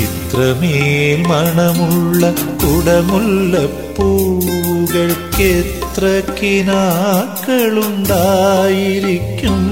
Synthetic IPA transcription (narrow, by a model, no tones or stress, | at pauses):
it̪rɐmelmɐɳɐmuɭːɐkuɽɐmuɭːɐpːu | ɣɐɭket̪rɐkːinakːɐɭuɳɖajiɾikʲːum